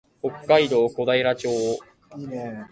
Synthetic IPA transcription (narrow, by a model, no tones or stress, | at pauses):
okːaid̪o̞ːko̞d̪aiɾat͡ɕoː